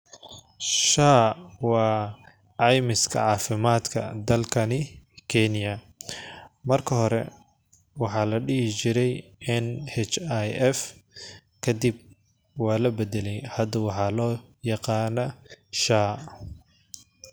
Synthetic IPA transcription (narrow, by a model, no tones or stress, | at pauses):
ʃaːwɑː | ɑjmɪskʰɐ̰ʕɑːfɪmaːd̪kʰɐ̰d̪ɐlkʰɐnɪkʰɛnɪjɐ | mɐrkʰɐɦɔɾɛ̰ | wɑħɑːlɐɖɪhɪt͡ʃɪɾɛjɛnhɛt͡ʃajɛf | kʰɐd̪ib̚ | wɑːlɐbɛd̪ɛlɛjhɐd̪ɐwɑħɑːlɔːjɑqɑːnɐʃaː